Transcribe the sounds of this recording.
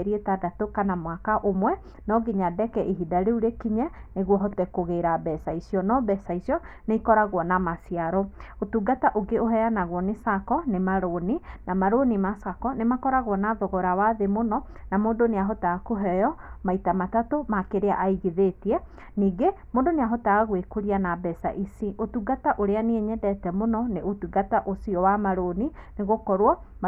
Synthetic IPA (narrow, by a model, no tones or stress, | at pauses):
ɾietadatokanamwakaʔomwɛ | nɔɡiɲadɛkɛʔiɦidaɾeuɾekiɲaneɣwɔɦɔtɛkoɣeɾabɛsaisiɔnɔbɛsaisiɔneikɔɾaɣwɔnamasiaɾɔotuːɡataʔoɡeoɦɛjanaɣwɔnesakɔnemaɾoninamaɾonimasakɔnemakɔɾaɣwɔnaðɔɣɔɾawaðemonɔ | namoːndoneaɦɔtaːkoɦɛjɔmaitamatatomakeɾea̰ʔaiɣiðetiɛ | niːɡemoːndoneaɦɔtaaɣwekuɾianabɛsa̰ʔisiʔotuɡataʔoɾeaneeɲɛdɛtɛmonɔneʔotuɡataʔosiɔwamaɾoni | neɣokɔɾwɔ